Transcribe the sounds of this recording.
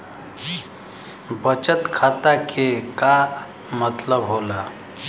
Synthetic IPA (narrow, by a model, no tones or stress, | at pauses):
bət͡ɕət̪kʰat̪akʰeka | mət̪ləbɦola